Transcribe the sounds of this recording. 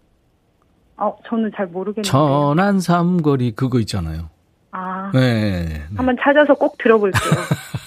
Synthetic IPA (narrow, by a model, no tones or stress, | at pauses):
ʌt͡ɕʌnɯnt͡ɕaɭmoɾɯɡet͡ɕʌnɦansʰamɡʌɾikɯɡʌit̚t͡ɕ͈ana̰jo | ajeamʌnt͡ɕʰad͡ʑʌsʰʌk͈ok̚tɯɾʌboiɭk͈eo